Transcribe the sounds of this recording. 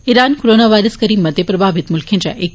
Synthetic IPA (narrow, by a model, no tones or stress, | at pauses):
iɾaːnkoɾoːnaʋaːɪɾəskɐɾiːmːɐd̪ʱepɾɐbʱaːbɪt̪mʊlkʰijənɪd͡ʑa̰ːʔe